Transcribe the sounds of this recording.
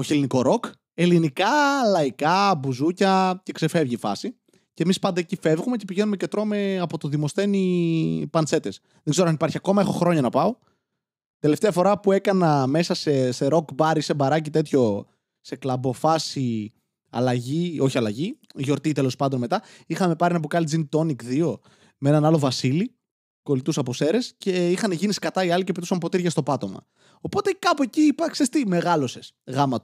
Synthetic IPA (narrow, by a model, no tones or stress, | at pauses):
oçeliniko̞ɾo̞k | e̞linikɐlɐikɐbuzucɐce̞kse̞fe̞vʝifɐ̰si | cemispɐnd̪ɐecife̞vɣume̞ce̞piʝe̞nume̞cet̪ɾo̞me̞ɐpo̞t̪oðimo̞st̪e̞nipɐnt͡se̞t̪e̞s | ðeɡze̞ɾoɐnipɐɾçiɐko̞mɐe̞xo̞xɾo̞ɲɐnɐpɐo̞ | t̪e̞le̞ft̪eɐfo̞ɾɐpue̞kɐnɐme̞sɐseseɾo̞kbɐɾisebɐɾɐcit̪e̞t̪ço̞ | se̞klɐbo̞fɐsi | ɐ̰lɐʝio̞çiɐlɐʝiʝo̞ɾt̪it̪e̞lo̞spɐnd̪onme̞t̪ɐixɐme̞pɐɾinɐp̬ukɐlid͡zint̪o̞nikðio̞ | meenɐnɐlo̞vɐsili | ko̞lit̪usɐpose̞ɾe̞sce̞ixɐnʝiniskɐt̪ɐiɐlice̞pit̪usɐmpo̞t̪iɾʝɐst̪o̞pɐt̪o̞mɐ̰ | o̞po̞t̪e̞kɐpoeciipɐksest̪ime̞ɣɐlo̞se̞sɣɐmɐt̪u̥